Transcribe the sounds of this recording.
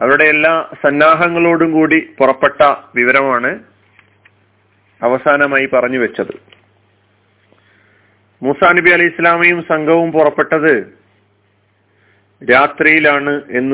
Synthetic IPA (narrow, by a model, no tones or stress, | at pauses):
ɐʋiuɽe̞elːaːsɐnːaːɦɐŋːɐɭo̞ːɽumkuːɽipurɐpːe̞ʈːɐʋiʋɐɾɐmaːɳɨ | ɐʋɐsaːnɐmaːjipɐrɐɲːuʋɐt͡ɕːɐðɨ | muːsaːnɐbiɐlɐjisːɐlaːmijumsɐŋɡʱɐʋumpurɐpːe̞ʈːɐðɨ | ɾaːt̪rijilaːɳɨe̞nːɨ